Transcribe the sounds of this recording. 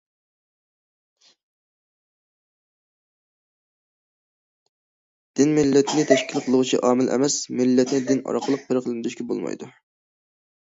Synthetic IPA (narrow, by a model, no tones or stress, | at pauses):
d̪̥ɪnmɪlːɛt̪ʰɪnɪt̪ʰɛʃkʲʰilqʰəlˠʊʁʊt͡ʃʰḭʔɑːmɪlʔɛ̰mɛsmɪlːɛt̪ʰnɪd̪ɪnɑ̰ɾqʰəlˠəq̚bɪɾqʰəlˠɨnd̪yʃkʲɛbo̰lˠmɑ̰jd̪u